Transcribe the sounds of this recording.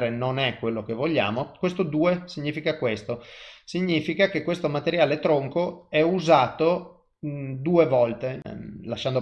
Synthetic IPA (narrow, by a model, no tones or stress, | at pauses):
ɾenonɛkːwelːokevoʎːa̰ːmokwest̪od̪uːesiɲːiːfikakwest̪osiɲːiːfikakekwest̪omat̪eɾjaːlet̪ɾoŋkoɛuzaːt̪o | d̪uːevɔlt̪elaʃːand̪o